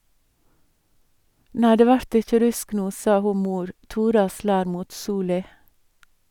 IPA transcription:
ˈnæɪ ˈdeː ˈʋæɾt ˈɪçə ˈɾʉsk ˈnuː ˈsɑ ˈhuː ˈmuːɾ ˈtuːɾɑ ˈslæːɾ ˈmuːt ˈsuːlɪ

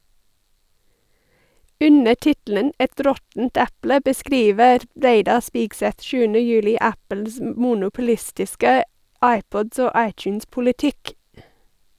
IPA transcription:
ˈʉnə ˈʈɪtl̩ən ˈɛt ˈɾɔtn̩t ˈɛplə bəˈskɾiːʋəɾ ˈɾeɪdɑ ˈspiːɡˌsɛt ˈʃʉːənə ˈjʉːlɪ ˈæpəls m ˈmuːnʊpʊˌlɪstɪskə ˈɑɪˌpɔd ˈoː ˈɑɪtjʉnspʊlɪˌtɪk

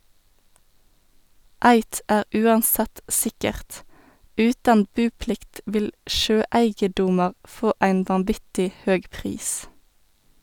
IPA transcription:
ˈæɪt ˈæːʁ ˈʔʉːɑnˌsɛt ˈsɪkəʁt ˈʉːtɑn ˈbʉːˌplɪkt ˈʋɪl ˈʃøːˌæɪɡəˌdʊmɑʁ ˈfoː ˈæɪn ʋɑnˈʋɪtɪ ˈhøːɡ ˈpʁiːs

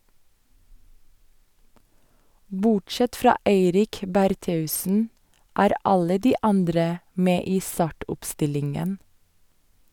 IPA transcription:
ˈbʊʈˌʃɛt ˈfɾɑː ˈeɪɾɪk bæɾˈteːʉsn̩ ˈæːɾ ˈɑlə ˈdiː ˈɑndɾə ˈmeː ˈiː ˈstɑːʈʊpˌstɪlɪŋən

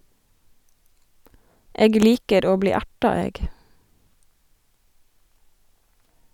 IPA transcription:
ˈeːɡ ˈliːkəɾ ˈoː ˈbliː ˈæʈɑ ˈeːɡ

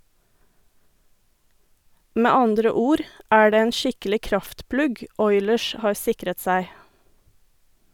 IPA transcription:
ˈmeː ˈɑndɾə ˈuːɾ ˈæː ˈɖeː ˈeːn ˈʃɪkəlɪ ˈkɾɑftˌplʉɡ ˈɔʏləʃ ˈhɑːɾ ˈsɪkɾət ˈsæɪ

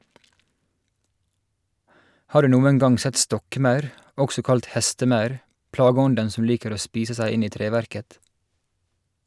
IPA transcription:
ˈhɑː ˈɖʉː ˈnuːəŋ ˈɡɑŋ ˈsɛt ˈstɔkˌmɑʉɾ ˈʔɔksɔ ˈkɑlt ˈhɛstəˌmɑʉɾ ˈplɑːɡəˌɔndən ˈsɔm ˈliːkəɾ ˈoː ˈspiːsə ˈsæɪ ˈɪn ˈiː ˈtɾeːʋæɾkət

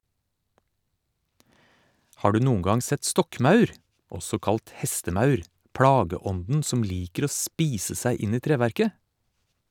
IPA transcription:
ˈhɑː ˈɖʉː ˈnuːŋ̍ ˈɡɑŋ ˈsɛt ˈstɔkˌmɑʉɾ ˈɔsɔ ˈkɑlt ˈhɛstəˌmɑʉɾ ˈpɽɑːɡəˌɔndn̩ ˈsɔm ˈliːkəɾ ˈoː ˈspiːsə ˈsæɪ ˈɪn ˈiː ˈtɾeːʋæɾkə

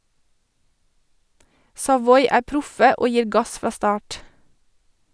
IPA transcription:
sɑˈʋɔʏ ˈæː ˈpɾʊfə ˈoː ˈjiːɾ ˈɡɑs ˈfɾɑː ˈstɑːʈ

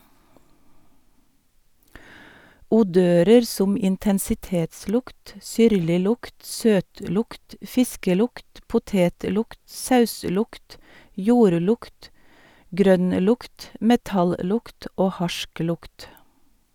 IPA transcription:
uːˈdøːɾəɾ ˈsʊm ɪntɛnsɪˈteːtˌslʊkt ˈsʏɾlɪˌlʊkt ˈsøːtˌlʊkt ˈfɪskəˌlʊkt pʊˈteːtˌlʊkt ˈsɑʉˌslʊkt ˈjuːɾˌlʊkt ˈɡɾœnˌlʊkt mɛˈtɑlˌlʊkt ˈoː ˈhɑʃˌklʊkt

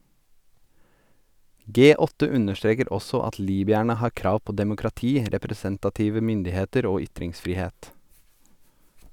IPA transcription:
ˈɡeː ˈɔtə ˈʉnəʃˌtɾeːkəɾ ˈɔsɔ ˈɑt ˈliːbʏæɳə ˈhɑːɾ ˈkɾɑːʋ ˈpoː dɛmʊkɾɑˈtiː ɾɛpɾɛˈsɛntɑˌtiːʋə ˈmʏndɪˌheːtəɾ ˈoː ˈʏtɾɪŋsfɾiːˌheːt

